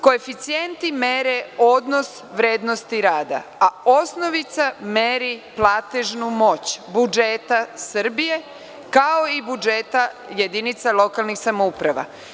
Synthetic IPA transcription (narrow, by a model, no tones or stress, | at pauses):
ko̞efit̪sient̪ime̞ɾeod̪no̞s | ʋɾeːd̪no̞st̪iɾaːd̪a̰ao̞sno̞ʋit̪sameɾiplaːt̪eʒnumo̞t͡ɕbud͡ʒet̪asrbije̞ | kao̞ibud͡ʒeːt̪aje̞d̪init̪salo̞kalˠnixsamoupɾaʋa̰